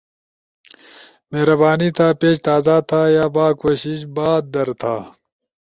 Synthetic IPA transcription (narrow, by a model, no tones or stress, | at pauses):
meːɾɐbaːnit̪ʰaːpeːʃt̪aːzat̪ʰaːjaːbaːkoːɕiɕbaːd̪̚d̪ɐɾt̪ʰaː